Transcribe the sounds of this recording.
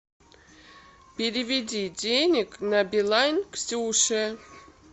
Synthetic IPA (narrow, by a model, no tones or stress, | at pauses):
pʲɪɾʲɪvʲɪdʲidʲenʲɪknabʲɪlˠanʲksʲuʂɛ